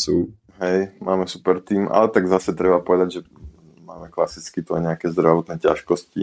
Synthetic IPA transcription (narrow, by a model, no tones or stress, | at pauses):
suː | ɦɛjmaːmɛsu̥pɛɾt̪iːmʔa̰lɛt̪aɡzasɛt̪ɾɛbapɔʋɛd̪aɟʒɛ | maːmɛklasit͡skit̪ua̰ɲɛakɛːzd̪ɾaʋɔt̪nɛːca̰ʃkɔsci